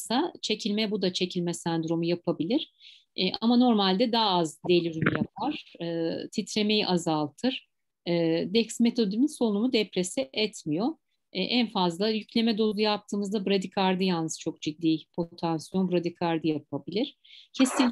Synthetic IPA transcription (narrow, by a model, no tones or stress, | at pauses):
sat͡ʃʰe̞cʰilʲmɛbud̪at͡ʃʰe̞cʰilʲmɛsænd̪ɾo̞mujapʰabilʲiɾ̥ | ɛʔamano̞ɾmalʲd̪ɛd̪aːazd̪e̞lʲyɾymjap̚ʰaɾ̥ɯːt̪ʰit̪ɾe̞me̞jiʔazalˠt̪ʰɯɾ̥ | ɯːd̪ɛcsmet̪ʰo̞d̪iminsolnumud̪ɛpɾe̞sɛʔɛt̪ʰmijo̞ | ʔænfazlˠajycʰlʲe̞mɛd̪o̞zˠujap̚t̪ʰɯːmɯzd̪abɯɾad̪ikʰaɾd̪ɯjannɯst͡ʃʰo̞k̚d͡ʒid̪ːiːpʰo̞t̪ʰansjo̞nbɯɾad̪ikʰaɾd̪ɯjap̚ʰabilʲiɾ̥cʰest̪inʲ